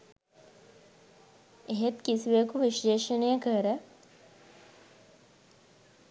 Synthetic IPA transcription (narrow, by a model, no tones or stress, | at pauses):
eɦet̪kisiʋejəkuʋiʃeːʃənəjəkəɾə